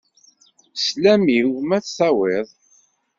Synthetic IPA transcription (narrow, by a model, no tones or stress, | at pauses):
slæmiwmæt͡sθæwɪðˤ